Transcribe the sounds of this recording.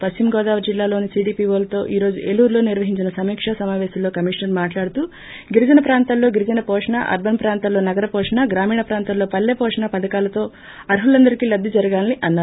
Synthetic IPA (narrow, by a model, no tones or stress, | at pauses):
pɐst͡ʃimɡɔːd̪aːʋɐɾd͡ʒilːaːlo̞ːnisiːɖiːpiːʋoːlɐt̪o̞ːʔiːɾo̞ːd͡ʒuʔelːuːɾlo̞ːniɾʋɐɦiɲt͡ʃinɐsɐmiːkʂasɐmaːʋɛːsɐloːkɐmiʂnɐɾmaːʈlaːɽut̪uː | ɡiɾid͡ʒɐnɐpɾaːnt̪ɐllo̞ːɡiɾid͡ʒɐnɐpɔːʂɐɳa̰ʔɐ̰ɾbɐnpɾaːnt̪ɐlo̞ːnɐɡɐɾɐpɔːʂɐɳaːɡɾaːmiːɳɐpɾaːnt̪ɐllo̞ːpɐlːepɔːʂɐɳapɐd̪ɐkaːlɐt̪o̞ː | ɐɾɦulɐnd̪ɐɾikiːlɐd̪ʱːid͡ʒɐɾɐɡaːnniʔɐnːaː